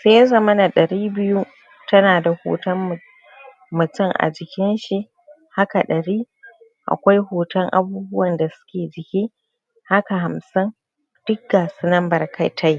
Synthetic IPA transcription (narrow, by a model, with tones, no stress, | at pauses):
seː˦ja˦zɐ˨mɐ˦na˨ɗɐ˨ɾiː˦bɪ˦ju˦ | tɐ˦naː˨da˨ho̰ː˨tɐ˦m | mʊ˨tʊ˦˨ŋʔa̰˨d͡ʒɪ˨kʲɪ˦nʃi˦ʔ | ha˦ka˨ɗɐ˨ɾiː˦ | ʔa̰˨kʷa˦jhoː˨tɐ˦ŋʔa̰˨buː˦bʊ˦wɐ˨nda˨sʊ̥˦kʲeː˨d͡ʒɪ˨kʲiː˦ | ha˦ka˨ha˨msɪ˦n | d̥ʊ˦k̚ɡaː˨su˦nɐ˦mbɐ˨rkʰɐ˦jtʰa˦j